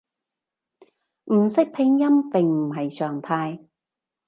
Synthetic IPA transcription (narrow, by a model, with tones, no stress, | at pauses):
m̩˨˩sɪ˥k̚pʰɪ˧ŋjɐ˥mpɪ˨˧ŋm̩˨˩ɦɐ˨jsœː˨ŋt̪ʰaː˧j